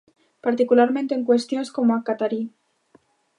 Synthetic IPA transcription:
paɾt̪ikulaɾmẽnt̪e̞ːŋkwest̪joneskomoakat̪aɾi

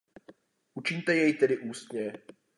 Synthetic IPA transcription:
ʔut͡ʃɪɲt̪ɛjɛjt̪ɛdɪʔuːst̪ɲɛ

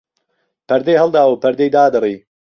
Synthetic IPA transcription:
pʰɐɾd̪ejɦɐlˠd̪aːwupʰɐɾd̪ejd̪aːd̪ɨrˤiː

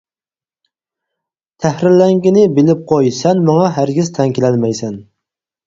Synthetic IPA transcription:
t̪ʰæhɾɪɾlɛŋɡʲinɪbɪlɪp̚qʰojsɛnmɑŋɑɦæɾɡʲiz̥t̪ʰɛŋkʲɪlɛnmɛjsɛn

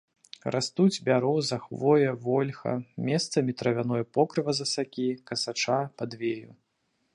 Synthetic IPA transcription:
rast̪ud͡zʲbʲaɾɔzɐxvɔjɐvɔlʲxɐ̰mʲɛst̪sɐmʲit̪ɾɐvʲanɔjɐpɔkɾɨvɐzɐsakʲikɐsat͡ʂapad̪vʲejṵ

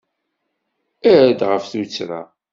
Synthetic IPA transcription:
æɾæd̪ʁəfθut͡sːɾa̰

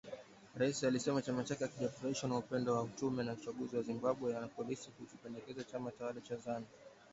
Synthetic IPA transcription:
ɾaisialisɛmat͡ʃamat͡ʃakɛakiʄafuɾaiʃwanaupɛndɔwaut͡ʃumɛnaut͡ʃaɠuziwazimbaɓwɛjanapɔlisikut͡ʃupɛndɛkɛzat͡ʃamat͡ʃawaɗat͡ʃazana

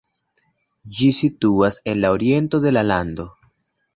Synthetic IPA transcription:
d͡ʒisituase̞nlao̞ɾie̞nto̞de̞lalando̞

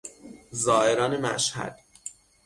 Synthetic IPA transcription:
zɒːʔeɾɒːnemæ̰ʃhæ̰d̪̥

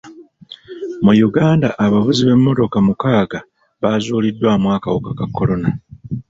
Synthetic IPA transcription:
mujuɡaːndaʔaβavuziβe̞mːo̞to̞kamukaːɡa | βazuːlidːwaːmwaːkawokakakːo̞lo̞na

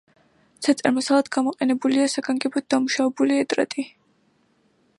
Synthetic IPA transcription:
t̪sʰat̪sʼɛɾmasalˠad̪̥ɡamɔqʼɛnɛbuliasaɡaŋɡɛbɔd̪̚d̪amuʃavɛbuliɛt̪ʼɾa̰t̪ʼi

